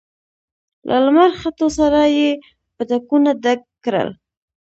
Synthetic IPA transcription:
lʔa̰lmaɾxat̪osaɾaje | pəd̪akunad̪akːɾə̰l

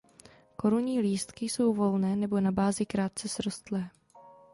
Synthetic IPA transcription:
ko̞ɾuɲiːliːst̪kɪso̞wvo̞lnɛːnɛbo̞nabaːzɪkɾaːt̪̚t͡sɛsɾost̪lɛː

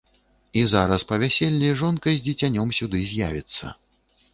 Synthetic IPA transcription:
izaɾɐspɐvʲasʲɛlʲːiʐɔnkɐjzʲd͡zʲɛt͡sʲanʲɔmsʲud̪ɨzʲja̰vʲit̪sːɐ̰

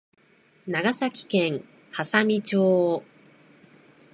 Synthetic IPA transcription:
naɡasakʲi̥kẽ̞ŋ̃ | hasamʲit͡ɕoː

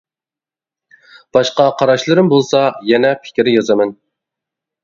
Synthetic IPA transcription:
b̥ɑʃqɑqʰɑɾɑʃlˠɨɾɨmbolˠsɑjɛnɛpʰɪ̥kʲɾɪjɑzɑmɪn

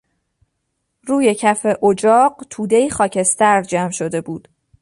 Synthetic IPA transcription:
ɾuːje̞cʰæfe̞ʔod͡ʒɒːɢt̪ʰuːd̪e̞iːxɒːcʰe̞st̪æɾd͡ʒæmʃo̞d̪e̞buːd̪̥

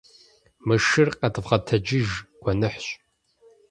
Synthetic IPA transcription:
mɨʃɨrqɐdɨvʁɐtʰɐd͡ʒɪʒɡʷɔnɨħɕʼ

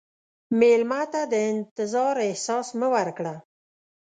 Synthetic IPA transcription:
melmɑt̪ad̪əɪnt̪ɪzɑɾehsɑsməwaɾkɽa

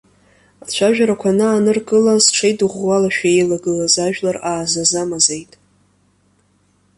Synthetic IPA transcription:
at͡ɕʷʰaʒᶣaɾakʷʰanɨːnɨrɡɨlasʈ͡ʂʰejdɨʁʷwalaʃᶣaejlaɡɨlazaʒᶣlaraːzazamazejtʼ

